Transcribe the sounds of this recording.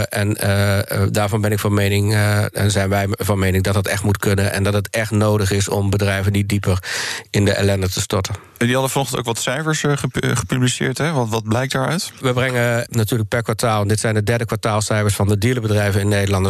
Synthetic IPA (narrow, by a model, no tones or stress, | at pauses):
ʔɛn | daːɹvɔnbɪnɪkfɑnmejnɪŋɛnzɛjnʋɛjvɑnmeːjnɪŋdɔt̚ɦətɛxtmutkɵnənʔɛ̰ndɑtɦətɛχtnoːdəχɪsɔ̰mbədrɛjvəndidipʰəɹɪndəʔɛ̰lɛndətəstɔɹtən | ndiɦɑdəfɔnɔχtənto̰wkʋɑtsɛjfəɹsχəχə̥pyblisɪ̰ːɹtɦɛʋʋɑt̚blɛjk̚taɹœ̰ɥtʋəbrɛŋənatyːɹlək̚pɛɹkʋaɹtaːlˠdɪtsɛjndədɛɹdəkʋaɹtaːlˠsɛjfəɹsfɑndədiələbədrɛjvənɪnːedəlɑndə